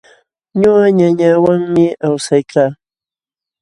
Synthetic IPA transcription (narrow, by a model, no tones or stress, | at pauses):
ɲoɢaɲaɲawaŋmɪawsajkaː